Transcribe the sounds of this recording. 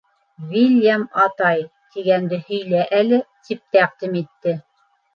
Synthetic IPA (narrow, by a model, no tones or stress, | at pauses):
vilʲjamɑt̪ɑj | t̪iɡænd̪ɘhɵ̆jlæʔælɘt̪ip̚t̪æq̚d̪imit̪ːɘ